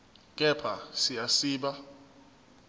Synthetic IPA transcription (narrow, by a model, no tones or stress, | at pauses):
k̬ʼɛpʰasijasiːɓa